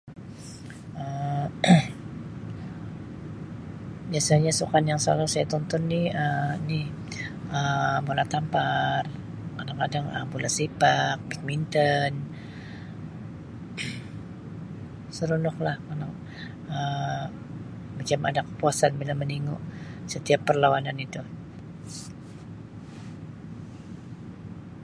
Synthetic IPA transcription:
ʔə | biasaɲasukanjaŋsla̰lusajat̪ɔnt̪ɔnːɪhənɪh | ʔəbulaht̪ampar | kadaŋkadaŋə̰bulasipak̚bik̚mint̪ən | səɾunɔklahkanaŋ | ə | mat͡ʃama̰dakə̥puasanbilaməniŋuʔsət̪iapːərlawananit̪u

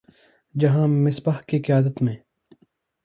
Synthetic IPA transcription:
d͡ʒɐɦãːmɪsbahkiqijaːd̪ət̪mẽː

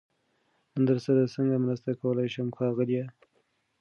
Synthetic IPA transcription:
ənd̪əɾsəd̪asəŋɡamɾast̪akawəlajʃamxɑɣəlija

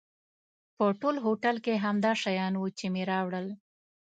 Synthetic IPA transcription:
pəʈolɦoʈalkeɦamd̪ɑʃajɑnwut͡ʃemeɾɑwɽəl

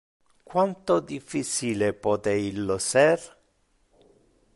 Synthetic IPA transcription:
kwant̪od̪ifːit͡ʃilepɔt̪eilːosɛr

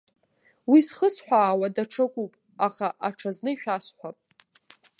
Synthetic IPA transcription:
wisχəsħʷaːwadaʈ͡ʂʰɨkʷʼupʼ | aχaʔaʈ͡ʂʰaznɨiʃᶣasħʷapʼ

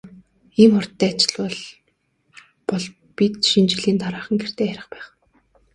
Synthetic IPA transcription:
iːmχʊr̥t̪ːæːat͡ɕɪ̥̆ɮwɔɮ | pɔɮ | pʲit̪ʃint͡ɕiɮiːnt̪ʰaɾaːχə̆ŋɡer̥t̪eːxæɾʲɪ̆χpæːχ

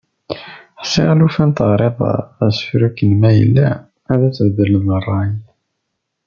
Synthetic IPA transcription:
ħsˤeʁalufænt̪əʁɾˤeðˤæsə̥fɾukːənmæjə̰lːæ | æðæt͡sːəvd̪əɾlmərˤːɑj

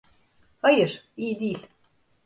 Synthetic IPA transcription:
hajɯɾ̥ | ijd̪ilʲ

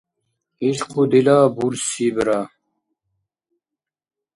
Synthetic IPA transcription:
iɕqud̪ilaːbulsibɾa

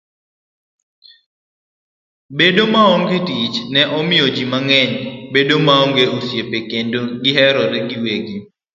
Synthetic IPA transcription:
bedomaɔŋɡɪtit͡ʃnɛʔɔmɪjɔd͡ʒimaŋɛɲbedomaɔŋɡeosjepekendoɡɪɦɛɾɔɾɛɡɪweɡi

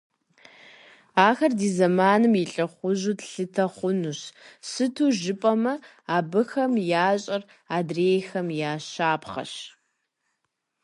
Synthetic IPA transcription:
aːxɐrdiːzɐmaːnɨmjɪɬʼɐχʷʊʑuːtɬɨtʰɐχʷʊnuɕsɨtʰuːʒɪpʼɐmɐ | aːbɨxɐmjaːɕʼɐr | aːdreːjxɐmjaːɕaːpχɐ̰ɕ

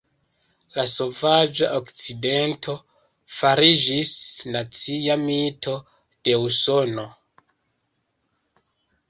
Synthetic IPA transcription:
laso̞vad͡ʒaʔokt͡side̞ntʰo̞ | faɾid͡ʒisnat͡siamitʰo̞ | d̥e̞uso̞no̞

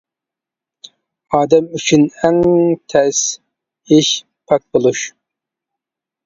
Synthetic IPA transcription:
ɑːd̪ɛmyt͡ʃʰynɛŋt̪ʰɛs | iʃ | pʰɑk̚bolˠuʃ

